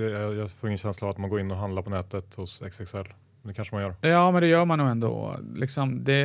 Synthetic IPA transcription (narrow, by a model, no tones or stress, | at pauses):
ɛjɑfoːɾɪŋːənɕɛnslaːvat̪manɡoːɾɪnːɔɦand̪aɾpʰɔnɛːt̪ət̪hʊsɛ̰ksɛksɛlː | d̪ɛkʰanʂəmanjœːɾjɑːmɛnd̪ɛjœːɾmanjʊɛnd̪o̰lɪksɔmd̪ɛ